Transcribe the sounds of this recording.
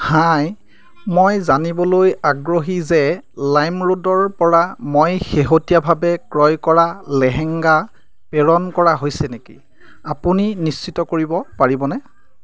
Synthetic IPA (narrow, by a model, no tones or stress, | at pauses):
haj | mojzanibɔlojaɡɹoɦizɛlajmɹodɔɹpɔɹamojxeɦotijabʱabɛkɹɔjkɔɹalɛɦɛŋɡa | pɛɹɔnkɔɹaɦojsɛnekḭ | apuninist͡ʃitɔkoɹibɔpaɹibɔnɛ